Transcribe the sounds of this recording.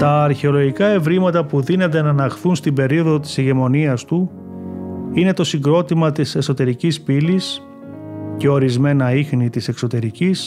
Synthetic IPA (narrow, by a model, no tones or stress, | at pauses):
t̪ɐːɾçe̞o̞lo̞ʝikɐe̞vɾimɐt̪ɐpuðine̞nd̪e̞nɐnɐxθunst̪imbe̞ɾioðot̪i̥seʝe̞mo̞niɐst̪u | ine̞t̪o̞siŋɡɾo̞t̪imɐt̪ise̞so̞t̪e̞ɾicispilis | ce̞o̞ɾizme̞nɐixnit̪ise̞kso̞t̪e̞ɾicis